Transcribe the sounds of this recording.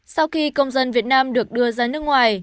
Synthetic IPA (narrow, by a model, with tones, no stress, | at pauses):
sa˧wxi˧kə˧wŋ͡mzə˧nvi˨˩ət̚naː˧mɗɨ˨˩ək̚ɗɨ˧əzaː˧˦nɨ˦˥ək̚ŋwaː˨˩j